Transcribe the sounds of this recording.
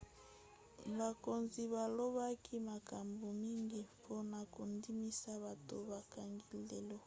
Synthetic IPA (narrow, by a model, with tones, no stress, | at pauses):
ba˨ko˨nzi˨βa˨lo˦βa˦kʰi˦ma˨ka˨mbo˨mi˦ŋɡi˦pʰo˦na˨ko˨ndi˦mi˦sa˦βa˨to̰˨ba˨ka˨ŋɡi˦le˨lo˦